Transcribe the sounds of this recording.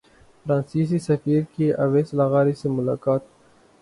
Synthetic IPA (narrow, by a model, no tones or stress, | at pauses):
fɾãːnsiːs̬isɐfiːɾkeʔɐ̰ʋeːslɐɣaːɾisemʊla̰ːkaːt̪